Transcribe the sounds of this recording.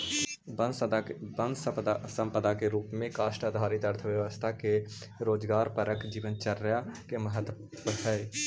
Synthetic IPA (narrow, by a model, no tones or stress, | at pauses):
bənbə̃nd̪ssə̃mpəd̪akeɾuːpmẽkaːʃʈəd̪ʱaːɾɪt̪ɐɾt̪ʰəʋjəʋəst̪ʰake | ɾoːd͡ʒɡaːɾpəɾəkd͡ʒiːʋənt͡ʃəɾːjakeməɦət̪ | əɦɛː